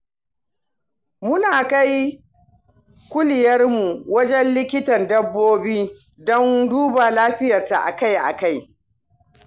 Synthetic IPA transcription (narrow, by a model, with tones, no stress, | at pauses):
mʊ˦naː˨ka˦j | kʷʊ˦lɪ˨jɐ˦rmu˨wɐ˦d͡ʒɛ˦nlɪ˦kʲɪ˦tɐ˨ndɐ˦bːoː˦biː˦ | dɔ˦nduː˦ba˨laː˦ɸɪ˦jɐ˨rta̰˨ʔa̰˨ka˦jʔa̰˨ka˦˨j